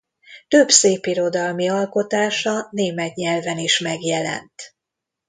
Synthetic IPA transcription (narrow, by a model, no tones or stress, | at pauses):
t̪øbseːpiɾo̞d̪ɒlmiɒlko̞t̪aːʃɒneːmɛt̪ɲɛlvɛniʃmɛɡjɛlɛ̰nt̪